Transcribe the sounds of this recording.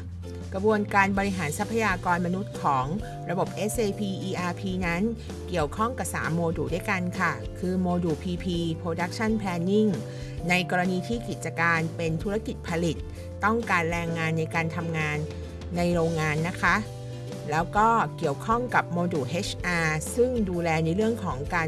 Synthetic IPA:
kɾa˧bu˧ənkaː˧nbɔː˧ɾi˦˥ɦaː˩˦nsa˦˥pʰːa˧jaː˧kɔː˧nma˧nu˦˥t̪̚kʰɔː˩˦ŋ | ɾa˧bo˨˩p̚ʔe˦˥seː˧pʰiː˧ʔiː˧ʔaː˧pʰiː˧na˦˥n | ki˨˩əwkʰɔ˥˩ŋka˨˩p̚sa̰ː˩˦mːoː˧duː˨˩du˥˩jka˧nkʰa˥˩kʰɯː˧moː˧duː˨˩pʰiː˧pʰiː˧pʰɾoː˧da˦˥k̚t͡ɕʰa˥˩npʰlɛː˧nːi˥˩ŋ | na˧jkɔː˧ɾa˧niː˧t̪ʰiː˥˩ki˨˩t̪̚t͡ɕa˧kaː˧npe˧nt̪ʰu˦˥ɾa˧ki˨˩t̪̚pʰa˧li˨˩t̪̚ː | ɔ˥˩ŋkaː˧nɾɛː˧ŋːaː˧nːa˧jkaː˧nt̪ʰa˧mŋaː˧nː | a˧jɾoː˧ŋːaː˧nːa˦˥kʰa˦˥ʔ | lɛː˦˥wkɔː˥˩ki˨˩əwkʰɔ˥˩ŋka˨˩p̚moː˧duː˨˩ʔe˦˥t͡ɕʰʔaː˧sɯ˥˩ŋduː˧lɛː˧na˧jɾɯ˥˩əŋkʰɔː˩˦ŋkaː˧

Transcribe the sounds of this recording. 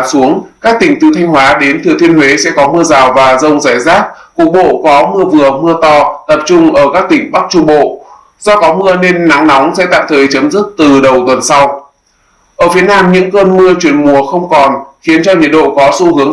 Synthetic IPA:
su˨˦əŋkaː˦˥k̚t̪ï˨˩ŋ̟t̪i˧wt̪ʰa˧jŋ̟hwaː˨˦ɗe˨˦nt̪ʰət̪ʰi˧ənwe˨˦sɛ̰˧˥kɔ˨˦mɨ˧əzaː˨˩wvaː˨˩zə˧wŋ͡mzaː˧˩jzaː˦˥t̚ku˨˩ək̚ɓo̰˧˨kɔ˨˦mɨ˧əvɨ˨˩əmɨ˧ət̪ɔ˧t̪ə˨˩p̚t͡ɕʊ˧ŋ͡mʔəː˧˩kaː˦˥k̚t̪ï˧˩ŋ̟ɓa˦˥k̚t͡ɕu˧ŋ͡mɓo̰˧˨ | z̥ɔ˧kɔ˨˦mɨ˧əne˧nːa˨˦ŋnɔ˨˦wŋ͡msɛ̰˧˥t̪a̰ː˧˨mt̪ʰəː˨˩jt͡ɕə˨˦mzɨ˦˥k̚t̪ɨ˨˩ɗə˨˩wt̪wə˨˩nsa˧w | ʔəː˧˩fi˨˦ənaː˧mɲɨ̰˧˥ŋkəː˧nmɨ˧ət͡ɕwi˧˩ənmu˨˩əxə˧wŋ͡mkɔ˨˩nxi˨˦ənt͡ɕɔ˧ɲḭ˧˨ənɗo̰˧˨kɔ˨˦sṵ˧˥hɨ˨˦əŋ

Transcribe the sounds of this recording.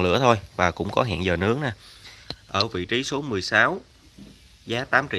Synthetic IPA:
ŋlɨ̰˧˥ət̪ʰo˧jvaː˨˩kʊ̰˧˥ŋ͡mkɔ˨˦ɦa̰˧˨nzəː˨˩nɨ̰˨˦əŋ̚naː˨˩ʔəː˧˩vḭ˧˨t͡ɕi˨˦so˨˦mɨ˨˩əjsaː˨˦w | zaː˨˦t̪aː˨˦mt͡ɕḭ˧˨

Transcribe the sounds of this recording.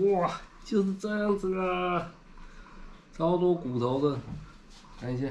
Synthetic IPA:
ɔ˥˩t͡ɕjo˥˧ʊʂɻ̩˥˧t͡sɤ˥˧jɑ˥˧ŋʈ͡ʂɤ˥˩ɡə˩ | t͡sʰɑ˥ʊt̪wɔ˥ku˨˩t̪ʰo˧˥ʊd̪ə˧ | a˧˥ɪt͡ɕʰɛ˧˥

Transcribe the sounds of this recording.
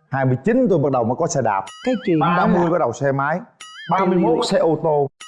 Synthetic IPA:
haː˧jmɨ˧jt͡ɕi˨˦nt̪o˧jɓə˨˩t̚ɗə˨˩wŋ͡mməː˨˦kɔ˨˦sɛ˧˩ɗa̰ː˨˩p̚kaː˨˦jt͡ɕi˨ɗaː˧˦mɨ˧əjvaː˨˦ɗə˨˩wsɛ˧maː˨˦jɓaː˧mɨ˧əjmo˨˦˩t̚sɛ˧ʔo˧t̪o˧

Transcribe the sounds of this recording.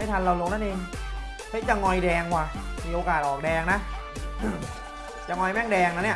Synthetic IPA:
ma˥˩t̪ʰa˧nla˧wlo˧ŋnaː˦˥nʔeː˧ŋ | t̪ʰa˦˥t͡ɕa˨˩ŋɔ˧jdɛː˧ŋkwaː˧˩mʰiː˨˧ʔoː˧kaː˨˩t̪̚ʔɔː˨˩k̚dɛː˧ŋna˦˥ | t͡ɕa˨˩ŋɔ˧jmɛː˥˩ŋdɛː˧ŋna˦˥ni˦˥˩

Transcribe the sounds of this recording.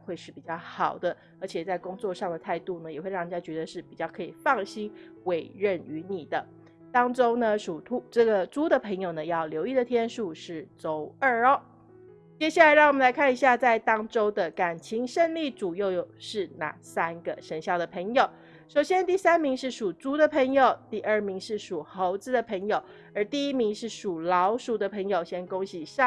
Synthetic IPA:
xwe˥˧ɪʂɻ̩˥˩pi˨˩t͡ɕjɑ˥˩ʊxɑ˨˩ʊd̪ə˦ | ə˞˧˥t͡ɕʰjɛ˨˩t͡sa˥˩ɪkʊ˥ŋt͡swɔ˥˧ʂɑ˥˩ŋd̪ə˩t̪ʰa˥˧ɪt̪u˥˩nə˩jɛ˨˩xwe˥˧ɪɻɑ˥˩ŋni˨˩ja˥t͡ɕɥɛ˧˥d̪ə˧ʂɻ̩˥˩pi˨˩t͡ɕjɑ˥˩ʊkʰɤ˧˥i˨˩fɑ˥˩ŋɕi˥nwe˨˩ɪɻə˥˩ny˧˥ni˨˩d̪ə˦ | t̪ɑ˥ŋʈ͡ʂo˥ʊnə˨ʂu˨˩t̪ʰu˧˥ʈ͡ʂɤ˥˩ɡə˩ʈ͡ʂu˥d̪ə˨pʰɤ˧˥ŋjo˨˩ʊnə˩jɑ˥˩ʊljo˧˥ʊi˥˩d̪ə˩t̪ʰjɛ˥nʂu˥˧ʂɻ̩˥˩t͡so˧˥ʊə˞˥˩ɔ˥˦ | t͡ɕjɛ˥ɕja˥˩a˧˥ɪɻɑ˥˩ŋwɔ˨mə˦la˧˥ɪkʰa˥˩ni˧˥ɕja˥˧t͡sa˥˩ɪt̪ɑ˥ŋʈ͡ʂo˥ʊd̪ə˨ka˨˩nt͡ɕʰi˧˥ŋʂə˥˧ŋli˥˩t͡su˨˩jo˥˩ʊjo˨˩ʊʂɻ̩˥˧na̰˥˩sa˥nɡə˨ʂə˧˥nɕjɑ˥˩ʊd̪ə˩pʰə˧˥ŋjo˨˩ʊ | ʂo˨˩ʊɕjɛ˥nt̪i˥˩sa˥nmi˧˥ŋʂɻ̩˥˩ʂu˨˩t͡su˥d̪ə˨pʰə˧˥ŋjo˨˩ʊt̪i˥˧ʔə˞˥˩mi˧˥ŋʂɻ̩˥˩ʂu˨˩xo˧˥ʊt͡sɹ̩˧˥d̪ə˨˩pʰə˧˥ŋjo˨˩ʊ | ə˞˧˥t̪i˥˩i˥mi˧˥ŋʂɻ̩˥˩ʂu˨˩lɑ˧˥ʊʂu˨˩d̪ə˦pʰə˧˥ŋjo˨˩ʊɕjɛ˥nkʊ˥ŋɕi˨˩ɕɑ˥˨

